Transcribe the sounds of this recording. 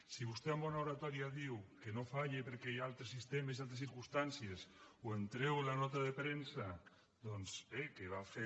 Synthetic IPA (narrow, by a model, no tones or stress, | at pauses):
siβust̪eambɔnaoɾat̪ɔɾiaðiwkenofaʎepeɾkejalt̪ɾesist̪emesialt̪ɾesθiɾkust̪ansiesoent̪ɾewelanɔt̪aðepɾensa | d̪ɔnszekeβafe